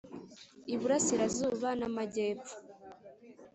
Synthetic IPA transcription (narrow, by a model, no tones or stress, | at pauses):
iβuɾasiɾazuːβanamaɟeːfo̥